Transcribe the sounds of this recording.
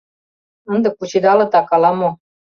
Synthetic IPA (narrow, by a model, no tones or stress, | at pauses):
ɤ̆nd̪ɤ̆kːut͡ɕid̪ɑlɤ̆t̪ɑkɑlɑmo